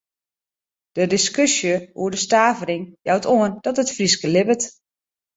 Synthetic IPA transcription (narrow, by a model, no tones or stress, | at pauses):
d̥ədɪskøsjəṵədəstaːvəɾɪŋjawtʰoənd̥ɔtətfriskəlɪbət